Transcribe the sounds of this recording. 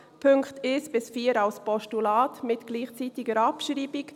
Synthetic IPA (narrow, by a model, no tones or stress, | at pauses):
pʰʏŋkteːsb̥ɪsfiːəɾalspɔʃtulaːtmɪtɡ̥liːχt͡sitɪɡəɾɑpʃɾiːbik